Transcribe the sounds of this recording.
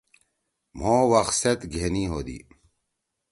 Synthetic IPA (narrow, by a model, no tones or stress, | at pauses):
m̤oːwɐxset̪ɡʱeniːɦoːd̪ḭː